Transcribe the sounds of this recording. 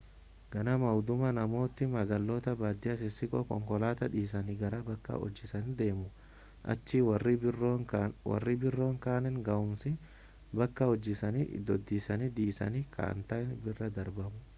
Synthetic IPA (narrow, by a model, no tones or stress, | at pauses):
ɡ̥ɐnɐmɐwd̪ʊmɐnɐmo̞ːt̪ːɪmɐɡɐlːoːt̪ɐbaːd̪ːɪjɐs̬ɪsɪkʼɔkɔ̰ŋkɔlaːt̪ɐᶑiːs̬ɐniɡɐɾɐbɐkːɐ̰ɔ̰d͡ʒːɪsɐnd̪e̞ːmʊ | ʔɐ̰t͡ʃːiw | wɐ̰rːibɪrːo̞ːŋkaːnɛnɡɐʊmsɪ | bɐkːɐɔd͡ʒːɪsɐnḭd̪ɔd̪ːiːsɐnid̪iːsɐ̰nikʰɐ̰ɐ̰nt̪ɐɪnbɪrːɐd̪ɐɾbɐmʊ